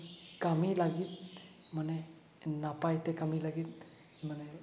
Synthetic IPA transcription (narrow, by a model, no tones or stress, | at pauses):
kamilaɡiːt̪̚mənɛ | napajt̪ɛkamilaɡiːt̪̚ | m̤ənɛ